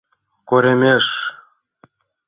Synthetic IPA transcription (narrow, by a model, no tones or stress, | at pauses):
koɾʲemʲeʂ